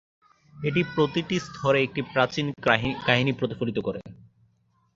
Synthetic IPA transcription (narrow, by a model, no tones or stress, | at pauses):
eʈ̬ipɾot̪iʈist̪ʰɔɾeek̚ʈipɾat͡ɕinkaɦinipɾot̪ifolit̪okoɾḛ